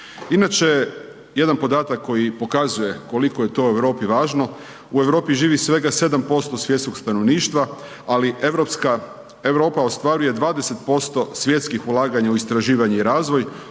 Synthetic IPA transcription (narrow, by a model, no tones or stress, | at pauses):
inat͡ʃe | je̞d̪anpo̞d̪aːt̪akːo̞jipo̞kazuje̞ko̞likoje̞t̪o̞ue̞ʋɾo̞ːpiʋaːʒno̞ | ue̞ʋɾo̞ːpiʒiːʋisʋe̞ɡase̞d̪ampo̞st̪o̞sʋje̞t̪skokst̪ano̞ʋniːʃt̪ʋa | aliɾopska | eʋɾo̞ːpaost̪ʋaːɾuje̞d̪ʋaːd̪e̞se̞t̪po̞st̪o̞sʋje̞t̪skixulˠaːɡaɲauist̪ɾaʒiːʋaɲeiɾaːzʋo̞j